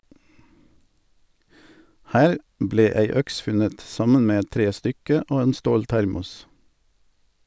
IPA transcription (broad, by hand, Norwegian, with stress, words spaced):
ˈhæːɾ ˈbleː ˈæɪ ˈœks ˈfʉnət ˈsɑmən ˈmeː ˈɛt ˈtɾeːˌstʏkə ˈoː ˈeːn ˈstoːlˌtæɾmʊs